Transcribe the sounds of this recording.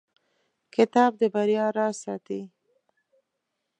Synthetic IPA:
kɪt̪ɑb̚d̪əbaɾjɑɾɑsɑt̪i

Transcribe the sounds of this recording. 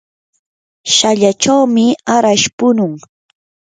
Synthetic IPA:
ʃaʎat͡ʃawmɪaɾaʃpʊnʊŋ

